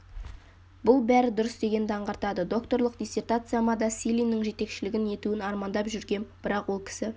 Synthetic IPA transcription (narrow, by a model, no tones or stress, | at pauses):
bʊlˠbæɾɪd̪ʊɾəsd̪e̞ɡʲe̞nd̪ɑɴʁɑɾt̪ɑd̪əd̪o̞kt̪o̞ɾlˠəq̚d̪ʲijse̞rt̪at̪sɨjamɑd̪ɑsʲilʲijnːɪŋʒe̞t̪e̞kʃɪlɪɡʲɪne̞t̪uɪnɑɾmɑnd̪ɑpʒʏɾɡʲe̞nb̥ɪɾɑqwo̞lˠkʲʰɪ̥sɪ